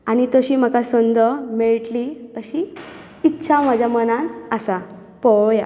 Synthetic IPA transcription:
añit̪əɕiːm̤əkasənd̪əmɛɭʈliəɕiː | t̪ːɕʰam̤ad͡ʑʱamənãnasa | pəja

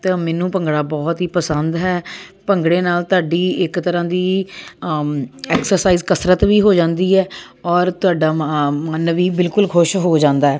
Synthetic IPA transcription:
t̪aːmɛːnũːpəŋɡɽaːbɔːt̪ɦiːpəsənd̪ɦɛːpəŋɡɽẽːnaːlt̪ʊaːɖiːɪkt̪əɾãːd̪iː | ɛːksəɾsaːiːzkəsɾət̪ʋiːɦoːd͡ʒãːnd̪iːɛː | ɔːɾt̪ʊaːɖaːanːəʋiːbɪlkʊlkʰʊʃɦoːd͡ʒãːnd̪aːɛː

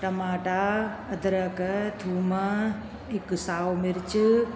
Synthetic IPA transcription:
ʈɐmaːʈa | ɐd̪ɾɐkɐt̪ʰuːmɐ | ɦɪksaːwmɪɾɪt͡ɕ

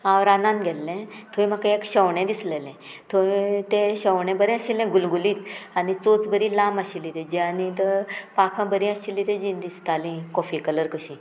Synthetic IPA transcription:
ãʋɾanãnɡʱɛlːɛ̃t̪ʰoĩm̤akaekɕəwɳɛ̃d̪islelɛ̃t̪ʰoit̪ẽɕəwɳɛ̃bəɾɛ̃aɕilɛ̃ɡulɡuliːt̪anit͡sot͡sbəɾilamaɕilːit̪ɛ̃d͡ʑianit̪əpakʰãbəɾĩəɕilːit̪ɛ̃d͡ʑĩnd̪ist̪alĩkɔfikələɾkəɕĩː

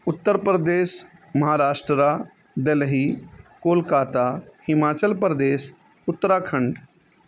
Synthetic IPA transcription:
ʊt̪ːəɾpɾəd̪eːs | mɐɦaːɾaːʃʈɾəɾaː | d̪elɦiːkoːlkaːt̪aːhɪmaːt͡ʃəlpɾd̪eːs | ʊt̪ːɾaːkʰə̃ɳɖ

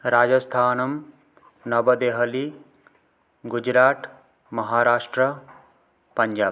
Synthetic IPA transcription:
ɾaːd͡ʒɐst̪ʰaːnɐm | nɐbɐd̪eːɦɐli | ɡud͡ʒɾaːt̪ | mɐɦaːɾaːʂʈɾɐ | pɐɲd͡ʒaː

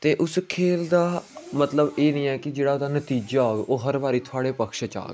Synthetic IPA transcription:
t̪eːʔʊskʰeːld̪aːmət̪ləbeːnĩːɛːkɪd͡ʒeːɽaːod̪aːnət̪iːd͡ʒaːoːɡeʔoːɦəɾbaːɾiːt̪ʰʊaːɽeːpəkʃət͡ʃa̰ːɡe

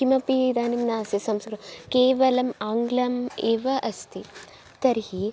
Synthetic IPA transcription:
imɐpid̪aːnimnaːsisɐmskɡɾukeːʋɐlɐmaːŋɡlɐmeːʋɐʔɐst̪ʰi | t̪ɐɾhi

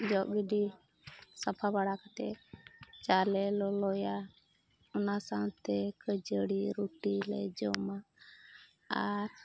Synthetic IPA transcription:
d͡ʒɔʔɡiɖi | sapʰabaɽakat̪ɛ | t͡ʃalɛlɔlɔja | ɔnasaŋt̪ɛkʰəd͡ʒəɽiɾuʈilɛ̰d͡ʒɔma | aɾ

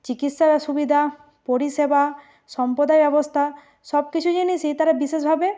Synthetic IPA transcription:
t͡ɕikit̪ʃaɾʃubid̪ʱa | poɾiʃeba | ʃɔmpod̪aebɛbost̪ʰa | ʃɔb̚kit͡ɕʰud͡ʑiniʃit̪aɾabiʃeʃbʱabe

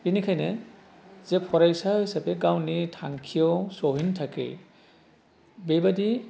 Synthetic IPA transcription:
binikʰajne | z̥epʰɔɾajsahisapeɡawnitʰaŋkʰijɔwsɔɦintʰakḛj | bejbadi

